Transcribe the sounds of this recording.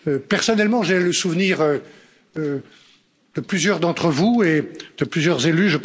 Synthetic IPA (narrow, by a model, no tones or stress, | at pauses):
øpɛʁsɔnɛlmɑ̃ʒeləsuvniʁø | d̪əplyzjœʁd̪ɑ̃t̪χəvued̪̥əplyzjœʁzelyʒəp